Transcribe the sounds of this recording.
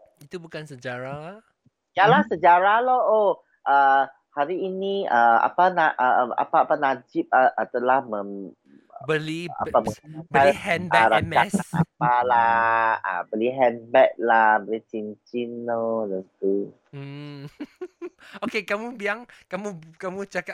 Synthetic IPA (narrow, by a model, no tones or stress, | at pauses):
it̪ubukansəd͡ʒaɾa | jalahsəd͡ʒaɾaloo | ʔə | haɾiːnĩəa̰panaʔəa̰paːpanad͡ʒip̚aʔət̪əlahmə̃m | bəlia̰aməbəhɛnbɛɾamasa̰palaa̰bəliɦɛnbɛt̪̚labəlit͡ʃint͡ʃinlodənt̪u | okekamũbiaŋkamukamũt͡ʃaka